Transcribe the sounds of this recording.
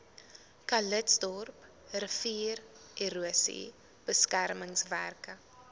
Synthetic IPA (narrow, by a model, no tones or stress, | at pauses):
kɐlətsdɔrp | rəfiːr | eɾuəsḭ | b̥əskærməŋsværkə